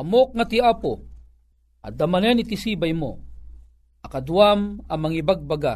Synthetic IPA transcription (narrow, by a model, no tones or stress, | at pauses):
amok̚ŋat̪iapo | a̰d̪amanɛnit̪isibajmo | ɐkad̪uamamːaŋibaɡ̚baɡa